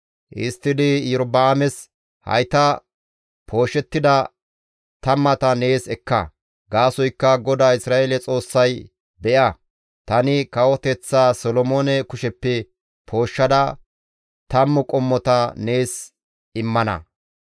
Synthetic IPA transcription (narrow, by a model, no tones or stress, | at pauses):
ʔɪ̰st̪ːɪd̪ɪjʊɾbaːmɛs | hɐ̰jt̪ɐ | pʰo̞ːʃːɛt̪ːɪd̪ɐ | t̪ɐmːɐt̪ɐne̞ːsɛkːɐ̰ | ɡaːsɔjkːɐɡɔd̪aːɪsɾaːʔelɛt͡sʼo̞ːsːɐj | bɛʔɐ | t̪ɐnɪkɐwɔt̪ɛt͡sːaːsɔlɔmoːnɛkʊʃɛpːɛ | pʰo̞ːʃːɐd̪ɐ | t̪ɐmːʊkʼɔmːɔt̪ɐne̞ːs | ɪmːɐnɐ̰